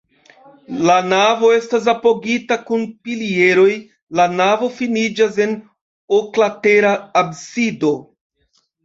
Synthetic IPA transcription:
lanavo̞e̞stas̬apo̞ɡitakunpilie̞ɾo̞j | lanavo̞finid͡ʒas̬e̞n | oklate̞ɾaːbsido̞

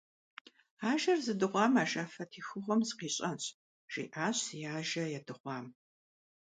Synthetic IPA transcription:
aːʒɐrzɨdɨʁʷɑːmaːʒaːfɐtʰiːxɨʁʷɔmzqiːɕʼɐnɕʼ | ʒ̥ḭːʔaːɕjaːʒɐjaːdɨʁʷɑːm

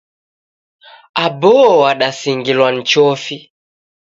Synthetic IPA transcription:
abɔɔaɗasiŋɡilwan̩t͡ʃɔfi

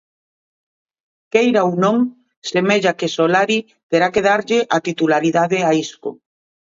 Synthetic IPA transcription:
kejɾaownõŋ | semeʎakesolaɾi | t̪eɾakeð̞aɾʎɪʔat̪it̪ulaɾiðaðɪaisko̰

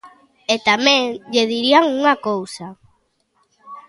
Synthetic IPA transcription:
et̪amɛ̃ŋʎeðiɾiaŋuŋakowsa

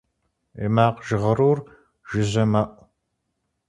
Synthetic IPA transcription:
ḛmaːqʒɨʁɐɾuːr | ʒ̥ɨʑɐmɐʔʷ

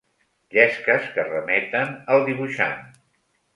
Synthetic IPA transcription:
ʎɛskəskərəmɛt̪ənəlˠd̪iβ̞uʃa̰n

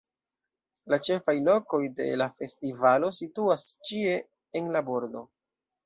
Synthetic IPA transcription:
lat͡ʃe̞fajlo̞ko̞jde̞̰lafe̞stivalo̞situast͡ʃie̞ː | nlabo̞ɾdo̞

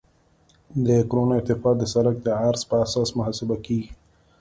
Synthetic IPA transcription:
d̪əkɾonaɪt̪ɪfɑːd̪əsaɾak̚d̪əɑːɾspəasɑsmʊɦɑsɪbakiɡi

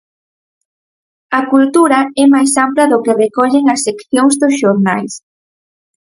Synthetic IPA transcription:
ɐkult̪uɾɐɛmajsamplɐðʊkerekɔʎeŋɐsːekθjoŋzðosʃoɾna̰js

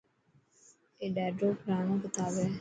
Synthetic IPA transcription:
eːɖɛːɖɾoːpɾaːnõːbət̪aːʋeː

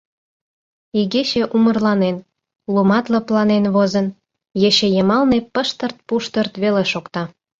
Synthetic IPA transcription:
iɣeɕĕʔumə̆rlɑnen | lumɑt̪lə̆plɑnenβozən | jeɕejəmɑlnepəʃt̪ə̆rt̪̚puʃt̪ərt̪βeleʃokt̪ɑ

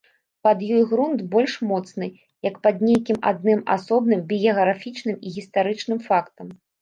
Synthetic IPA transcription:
pɐd̪jɔjɣɾunt̪bɔlʲʂmɔt̪snɨ | jɐkpɐd̪nʲejkʲima̰d̪nɨma̰sɔbnɨmbʲijɐɣɾafʲit͡ʂnɨmiɣʲist̪aɾɨt͡ʂnɨmfakt̪ɐm

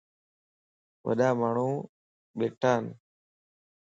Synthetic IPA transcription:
ʋə̰ɗaːmaːɳ̤ũː | ɓeːʈʰaːn

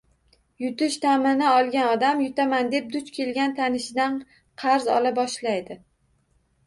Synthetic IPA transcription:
jʊt̪ɪʃt̪ʰamɪnɪɒlˠɡʲanɒd̪amjʊt̪ʰamand̪e̞p̚d̪ʊt͡ʃkʲʰe̞lɡʲant̪ʰanɪʃɪd̪an | qʰɑɾzɒ̰lˠabɒʃlajd̪ɪ

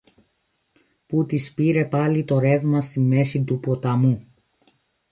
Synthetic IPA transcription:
put̪ispiɾe̞pɐlit̪o̞ɾe̞vmɐst̪ime̞sit̪upo̞t̪ɐmu

